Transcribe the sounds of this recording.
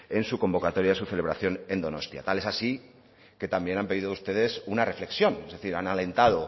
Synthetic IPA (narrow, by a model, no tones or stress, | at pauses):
e̞nsuko̞mbo̞kat̪o̞ɾjaesuθe̞le̞βɾaθjo̞nẽ̞nd̪o̞no̞̰st̪ja̰t̪ale̞sasi | ke̞t̪ambje̞nampe̞ðiðoust̪e̞ðe̞sunare̞fle̞ksjo̞ne̞zðe̞θiɾanale̞nt̪að̞o̞